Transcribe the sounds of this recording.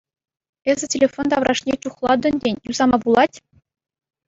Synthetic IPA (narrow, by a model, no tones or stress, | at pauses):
ezʲɘ̆tʲelʲefond̪ɑʋrɑʂnʲet͡ɕuχlˠɑd̪ɤ̆ndʲenʲjuz̥ɑmɑbulˠɑtʲ